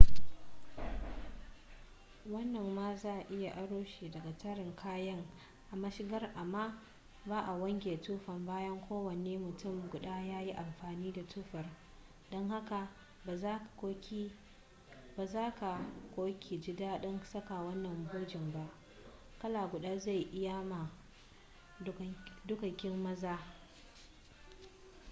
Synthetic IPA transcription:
wɐ˦nːɐ˨mːaː˦zaː˦˨ʔʔɪ˦ja˨ʔa˦ɽoː˦ʃiː˨dɐ˨ɡa˨tɐ˦ɽɪ˨ŋkʰaː˦jɐ˦ŋ | ʔa˨mɐ˦ʃɪ˦ɡɐ˦rʔa˨mːaː˦ | baː˦ʔa˨wɐ˦ŋɡʲeː˨tuː˦ɸɐ˨mbaː˦jɐ˦ŋkʷoː˦wɐ˨neː˦mʊ˨tʊ˦˨mɡʷʊ˨ɗaː˦jaː˦ji˦ʔa˨mɸaː˨niː˦da˨tʰuː˦ɸɐ˨r | ɗɔ˦ŋha˦ka˨˦˨ | oː˦kʲ | baː˨zaː˦ka˨kʷoː˦kʲʰi˨d͡ʒɪ˦daː˦ɗɔ˦nsɐ˦ka˨wɐ˦nːɐ˨mboː˦d͡ʒɪ˨mba˦ʔ | kɐ˦laː˨ɡʷʊ˨ɗaː˦za˦˨jʔɪ˦ja˦ma˨˦ | dʊ˦kɐ˨kʲɪ˦mːɐ˦zaː˦

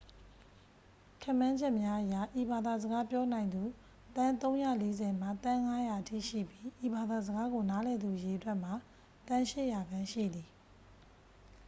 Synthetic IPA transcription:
kʰɛ̃˦˨mːã˦ɲd͡ʑɛ˦ʔmja˦ʔəja˨ʔi˨ba˨d̪a˨zə˨ɡa˦pjɔ˦nã˨ɪ̃nd̪u˨ | t̪ã˦nt̪õ˦ʊ̃ja̰˦˨le˦zɛ˨m̥a˦˨t̪ã˦ŋa˦ja˨ʔətʰḭ˦˨ʃḭ˦˨pji˦ʔi˨ba˨d̪a˨zəɡa˦ɡo˨na˨˦lɛ˨d̪u˨je˨ʔətwɛ˦ʔm̥a˨ | t̪ã˦ʃɪ̰˦ʔja˨ɡã˦ʃḭ˦˨d̪i˨

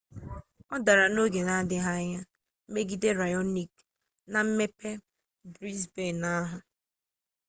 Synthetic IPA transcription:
ɔ˦da˨ɾa˨no˦ɡe˨na˦dɪ˦ɦa˦ɲa˦ | m̩˦me˦ɡi˦de˦ɾa˨jɔ˦ni˨k | na˨m̩˦me˦pe˦ | bɾi˦sbe˦˨na˦ɦʊ˨

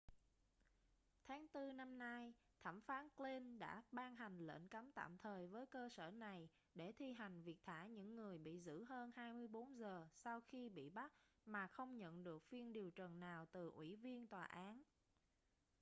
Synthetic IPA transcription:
t̪ʰaː˨˦ŋt̪ɨ˧na˧mna˧jt̪ʰa˧˩mfaː˨˦nkli˧nɗa̰ː˧˥ɓaː˧nɦa˨˩jŋ̟lə̰ː˧˥nka˨˦mt̪a̰ː˧˨mt̪ʰəː˨˩jvəː˨˦jkəː˧səː˧˩na˨˩j | ɗe˧˩t̪ʰi˧ɦa˨˩jŋ̟vi˨˩ək̚t̪ʰaː˧˩ɲɨ̰˧˥ŋːɨ˨˩əjɓḭ˧˨zɨ̰˧˥ɦəː˧nhaː˧jmɨ˧əjɓo˨˦nzəː˨˩sa˧wxi˧ɓḭ˧˨ɓa˦˥t̚maː˨˩xə˧wŋ͡mɲə̰˧˨nɗɨ˨˩ək̚fi˧ənɗi˨˩əwt͡ɕə˨˩nnaː˨˩wt̪ɨ˨˩ʔwḭ˧˩vi˧ənt̪waː˨˩ʔaː˨˦n

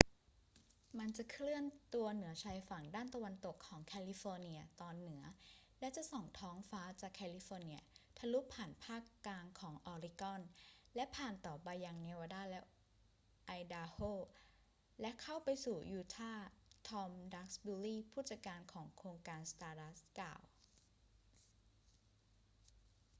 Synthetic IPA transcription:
ma˧nt͡ɕa˨˩kʰlɯ˥˩ənt̪u˧ɐnɯ˩˦ɐt͡ɕʰaː˧jfa˨˩ŋdaː˥˩nt̪a˧wa˧nt̪o˨˩kʰːɔː˩˦ŋkʰɛː˧li˦˧˥fɔː˧ni˧ɐt̪ɔː˧nːɯ˩˦ɐ | lɛ˦˥t͡ɕa˨˩ʔsɔ˨˩ŋt̪ʰɔː˦˥ŋfaː˦˥t͡ɕaː˨˩kʰːɛː˧li˧˥fɔː˧ni˧˥ɐt̪ʰa˧lu˦˥pʰːaː˨˩npʰaː˥˩kːlaː˧ŋkʰɔː˩˦ŋʔɔː˧ɾi˧˥kɔ˥˩nlɛ˦˥pʰaː˨˩nt̪ɔː˨˩baː˧ja˧ŋnɛː˧waː˧daː˥˩lɛ˦˥ | ʔa˧jdaː˧hoː˥˩ | lɛ˦˥kʰa˥˩wpa˧jsuː˨˩juː˧˩t̪ʰaː˥˩t̪ʰɔː˧mda˦˥k̚sbuː˧liː˥˩˨pʰuː˥˩t̪̚sa˧kaː˧nkʰɔː˩˦ŋkʰoː˧ŋkaː˧nst̪aː˧da˦˥skla̰ː˨˩w

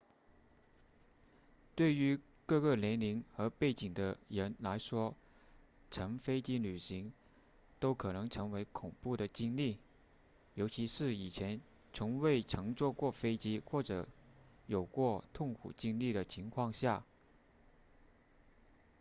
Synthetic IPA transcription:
t̪we˥˩ɪy˧˥ | kɤ˥˧kə˥˩ljɛ˧˥nli˧˥ŋxɤ˧˥pe˥˩ɪt͡ɕi˨˩ŋd̪ə˦ɻə˧˥nla˧˥ɪʂwɔ˥ | ʈ͡ʂʰɤ˧˥ŋfe˥ɪt͡ɕi˥ly˨˩ɕi˧˥ŋ | t̪o˥ʊkʰɤ˨˩nɤ˧˥ŋʈ͡ʂʰɤ˧˥ŋwe˧˥ɪkʰʊ˨˩ŋpu˥˩ɾə˩t͡ɕi˥ŋli˥˩ | jo˧˥ʊt͡ɕʰi˧˥ʂɻ̩˥˩i˨˩t͡ɕʰjɛ˧˥n | t͡sʰʊ˧˥ŋwe˥˩ɪʈ͡ʂʰɤ˧˥ŋt͡swɔ˥˧kwɔ˥˩fe˥ɪt͡ɕi˥xwɔ˥˩ʈ͡ʂɤ̰˧˩˥ | jo˨˩ʊkwɔ˥˧t̪ʰʊ˥˩ŋkʰṵ˨˩t͡ɕi˥ŋli˥˩ɾə˩t͡ɕʰi˧˥ŋkʰwɑ˥˧ŋɕja˥˩

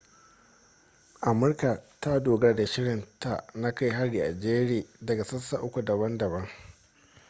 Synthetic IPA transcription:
ʔa˨mʊ˦rka˨ta˦doː˨ɡɐ˦rda˨ʃɪ˦ɽɪ˨nta˨na˦ka˦jɦa˦ɽiː˨ʔa̰˨d͡ʒeː˦ɽeː˨dɐ˨ɡa˨sɐ˦sa̰˨ʔʊ˦kʷu˨dɐ˨bɐ˦ndɐ˨bɐ˦ŋ

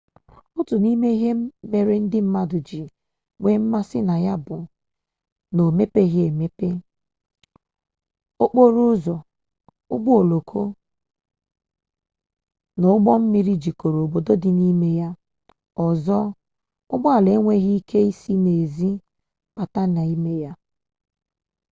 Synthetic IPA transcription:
ʊ˦tʊ˨ni˦me˦i˦ɦe˦m̩˦me˨ɾɪ˦n̩˦dɪ˦m̩˦ma˦dʊ˨d͡ʒi˨ | ŋʷe˦m̩˦ma˦sɪ˦na˨ja˦bʊ˨ | no˨me˦pe˦ɣe˨me˦pe˦ | o˦k͡po˦ɾʊ˦zɔ˨ | ʊ̰˦ɡ͡bɔ˦o˨lo˨kʰo˦ | no˦ʊ˦ɡ͡bɔ˦m̩˦mi˦ɾi˦d͡ʒi˨ko˨ɾo˨o˨bo˨do˦dɪ˨ni˦me˦ja˦ | ɔ˨zɔ˦ | ʊ̰˦ɡ͡ba˦a˨le˨˦ŋʷe˦ɣi˦i˦kʰe˦i˦si˦ne˨zi˦ | pa˨ta˦na˨i˦me˦ja˦

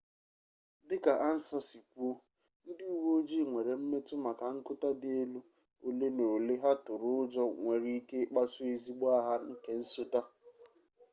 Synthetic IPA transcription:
dɪ˦ka˨ʔa˦n̩˦sɔ˦si˨kʷu˦o˦ | n̩˦dɪ˦u˦wo˦d͡ʒi˦˨ŋʷe˨ɾe˨m̩˦me˦tʊ˦ma˨ka˨ŋ̩˦kʊ˦ta˦dɪ˦e˦lu˦ | o˨le˦no˨le˦ɦa˦tʊ˨ɾʊ˦ʊ˦d͡ʒɔ˦ŋʷe˨ɾi˦i˦ke˦k͡pa˦sʊ˦e˨zi˦ɡ͡ba˦ɦa˦ŋ̩˦ke˦n̩˦so˦ta˦

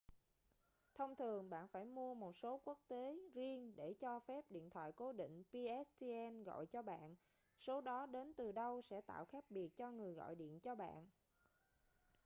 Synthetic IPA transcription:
t̪ʰə˧wŋ͡mt̪ʰɨ˨˩əŋɓa̰ː˧˨nfaː˧˩jmu˧əmo˨˩t̚so˨˦ku˦˥ək̚t̪e˨˦zi˧əŋɗe˧˩t͡ɕɔ˧fɛ˦˥p̚ɗḭ˧˨ənt̪ʰwa̰ː˧˨jko˨˦ɗḭ̈˧˨ŋ̟pi˧ʔɛ˦˥st̪i˧ʔɛ˧nɣɔ̰˧˨jt͡ɕɔ˧ɓa̰ː˧˨n | so˨˦ɗɔ˨˦ɗe˨˦nt̪ɨ˨˩ɗə˧wsɛ̰˧˥t̪a̰ː˧˨wxaː˦˥k̚ɓi˨˩ək̚t͡ɕɔ˧ŋɨ˨˩əjɣɔ̰˧˨jɗḭ˧˨ənt͡ɕɔ˧ɓa̰ː˧˨n

